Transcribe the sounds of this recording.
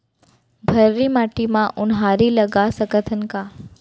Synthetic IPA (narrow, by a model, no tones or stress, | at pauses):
bʱəɾːiːmaʈimãʔunɦaɾiːləɡasəkət̪ʰənka